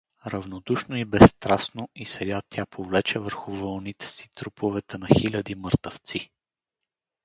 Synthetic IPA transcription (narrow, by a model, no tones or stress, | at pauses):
ɾɐvnod̪uʃnoibɛsːt̪ɾasnoisɛɡat̪ʲʰapʰovlɛt͡ʃɛvəɾxʊvəlˠnit̪ɛ̥si̥t̪ɾupʰovɛt̪ɛnɐxilʲɐd̪iməɾt̪əft̪si